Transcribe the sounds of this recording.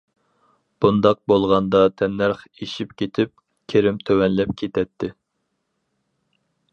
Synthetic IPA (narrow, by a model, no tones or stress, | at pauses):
b̥und̪ɑq̚bolˠʁɑnd̪ɑt̪ʰɛnːæɾχeʃipkʲet̪ʰɪp̚ | kʲʰeɾɪmt̪ʰøwɛnlɛp̚kʲʰet̪ʰɛt̪ʰːɪ